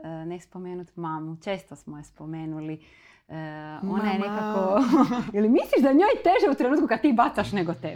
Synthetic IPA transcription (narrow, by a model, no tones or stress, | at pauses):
ənespomeːnut̪mamut͡ʃeːst̪osmojespomeːnuli | əonajenekakojelimisliʃd̪aɲoːjt̪e̞ʒeut̪ɾenuːt̪kukad̪̚t̪iːbat̪saʃneɡot̪eb